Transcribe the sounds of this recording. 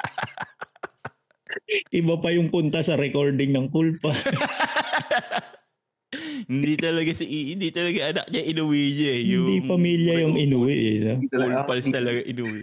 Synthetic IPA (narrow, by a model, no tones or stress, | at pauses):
ʔɪbapɐjʊŋpʊnt̪ɐsɐɾɛkoɹd̪ɪŋnɐŋkulpɐ | hɪnd̪it̪ɐlɐɡasiʔiɪnd̪it̪ɐlɐɡaʔɐnɐ̰k̚ɲɐʔɪnʊwiɲɐɛhjɪʊnd̪ipɐmiːljɐjʊŋɪnuwɪʔɛnaklpɐlst̪ɐlɐɡaʔɪnuwɪ